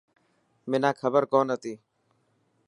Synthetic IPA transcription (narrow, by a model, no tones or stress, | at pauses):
mɪnãːkʰəbəɾkoːnɦət̪iː